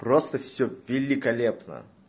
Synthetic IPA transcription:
prost̪əfsʲɵvʲɪlʲɪkɐlʲepnə̰

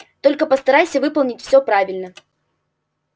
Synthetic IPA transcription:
t̪o̞lʲkəpəst̪ɐɾajsʲəvɨpəlˠnʲɪtʲfsʲopɾavʲɪlʲnə

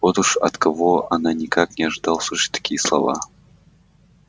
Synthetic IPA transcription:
vot̪uʂɐ̰t̪kɐvoʔɐnanʲɪkaknʲɪɐʐɨd̪ɑlˠsuʂɪ̥t̪ɐ̥kʲijəslˠɐ̰va̰

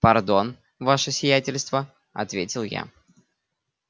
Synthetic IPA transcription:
pɐrd̪o̞n | vaʂɨsʲɪjætʲɪlʲst̪və | ɐ̰t̪vʲetʲɪlˠja̰

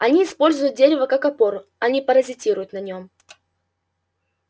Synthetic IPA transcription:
ɐnʲiɪspo̞lʲzʊjʊt̪̚dʲeɾʲɪvəkakɐpo̞ɾʊɐnʲipəɾəzʲɪtʲiɾʊjʊt̪nɐnʲo̞m

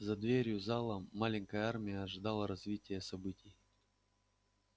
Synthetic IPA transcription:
zɐd̪vʲeɾʲjʊzalˠəːalʲɪnʲkəjəarmʲɪjəːʐɨd̪alˠəɾɐzvʲitʲɪjəsɐbɨtʲɪj

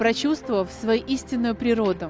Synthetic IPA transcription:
pɾɐt͡ɕust̪vəvəfsvɐjiʔisʲtʲɪnːʊjʊpɾʲɪɾo̞d̪ʊ

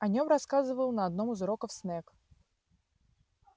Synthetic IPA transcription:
ɐnʲomraskazɨvəlˠnɐːd̪nomɨzɾokəfsnɛk

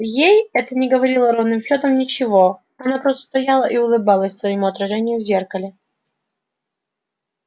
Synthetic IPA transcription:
jejɛt̪ənʲɪɡəvɐɾʲilˠəɾovnɨmflʲot̪əmnʲɪt͡ɕɪvo | ɐnapɾost̪ə̥st̪ɐjalˠəʔiʊlˠɨbɑlˠəsʲsvəjɪmuɐt̪ɾɐʐɛnʲɪjʊvzʲerkəlʲɪ

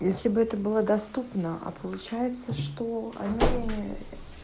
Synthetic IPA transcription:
jesʲlʲɪbɨɛt̪əbɨlˠəd̪ɐst̪upnəʔa̰pʰəlˠʊt͡ɕæjɪt̪səʂt̪oɐ̰nʲi

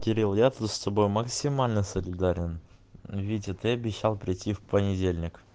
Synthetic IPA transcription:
kʲɪɾʲilˠjat̪ust̪ɐbojmɐksʲimalʲnɨsəlʲɪd̪aɾʲɪn | vʲidʲɪt̪ɨɐbʲɪɕːalˠpɾʲɪtʲːifpənʲɪdʲelʲnʲɪk

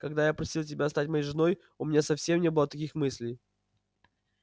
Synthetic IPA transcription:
kɐɡ̚d̪ajapɾɐsʲilˠtʲɪbʲast̪atʲmɐjejʐɨno̞j | ʊmʲɪnʲasɐfsʲemnʲe̞bɨlˠət̪ɐkʲixmɨsʲlʲɪj

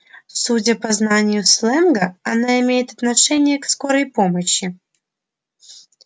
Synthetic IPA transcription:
sudʲəpɐznanʲɪjʊslˠɛnɡəɐnaɪmʲejɪt̪ɐt̪nɐʂɛnʲɪjəksko̞ɾəjpo̞məɕːɪ

